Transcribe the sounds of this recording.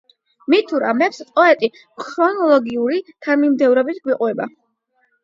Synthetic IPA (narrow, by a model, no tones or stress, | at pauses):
mit̪ʰuɾa̰mɛpspʼɔɛt̪ʼi | kʰɾɔnɔlˠɔɡiuɾit̪ʰanmimd̪ɛvɾɔbit̪ʰɡwiqʼwɛba̰